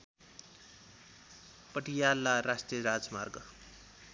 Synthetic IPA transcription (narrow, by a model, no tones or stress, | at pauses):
pʌʈijalːaɾasʈrijʌɾad͡zmarɡʌ